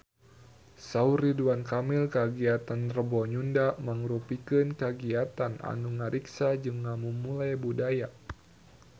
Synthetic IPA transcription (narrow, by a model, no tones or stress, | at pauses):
sauɾiduankamilkəɡiat̪anrəbɔɲundaməŋɾupikɨnkəɡiat̪ana̰nuŋaɾʔiksad͡ʒɨŋːamumulajbudaja